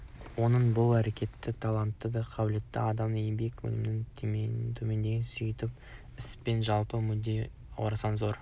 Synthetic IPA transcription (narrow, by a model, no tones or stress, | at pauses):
wo̞nəɴbʊlˠæɾe̞kʲe̞t̪ːɪt̪ʰɑlˠɑnt̪ːəd̪ɑqʰɑbɪle̞t̪ːɪ̰ɑd̪ɑmd̪jɪmbe̞kwɵ̰lɪmɪnɪŋt̪ʰɵme̞nd̪e̞ɡʲɪnsʏjt̪ɪp̚ | ɪspe̞nʒɑlˠpəmʏd̪ej̰ | w̰ɾɑsɑnzo̞ɾ